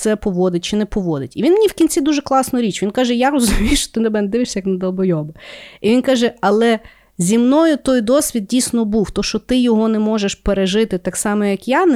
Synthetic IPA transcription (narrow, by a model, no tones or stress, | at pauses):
sɛpɔʋɔd̪ɪtʲt͡ʃɪnɛpɔʋɔd̪ɪtʲiʋʲinmenʲiwkʲinʲt͡sʲid̪uʒɛklˠɑsnɔɾʲit͡ʃʋinkɑʒɛjaɾɔzʊmʲijʃt͡ʃɔ̥t̪ɪnɛbɛnɛd̪ɪʋɪʃsʲɐjɐknɐd̪ɐlˠbɔjɔbɐiʋʲinkɑʒɛɐlˠɛ | zʲimnɔjʊt̪ɔjd̪ɔsʲʋʲid̪̚dʲijsʲnɔbuwt̪ɔʃt͡ʃɔt̪ɪjɔɦɔnɛmɔʒeʃpeɾeʒɪt̪ɪt̪ɑksɑmɔjɐkjɑn